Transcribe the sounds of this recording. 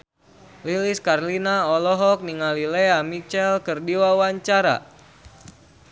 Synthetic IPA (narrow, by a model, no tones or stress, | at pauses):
liliskarlinaɔlɔɦɔk̚niŋalileamit͡ʃɛlkɨrdiwawaɲt͡ʃaɾa̰